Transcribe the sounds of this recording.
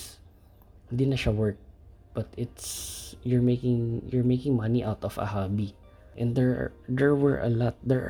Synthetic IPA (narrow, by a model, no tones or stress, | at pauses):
hɪnd̪iːnɐʃawɜɹk̚b̥ɐt̪ɪt̪sjʊɹmekɪ̃ŋjʊɹmejkɪ̃ŋmɐniʔawt̪ɔfɐ̰habi | ʔɛ̃nd̪ɛɹ̰d̪ɛɹwɛɹʔɐ̰lɔt̪̚d̪ɛɹ̰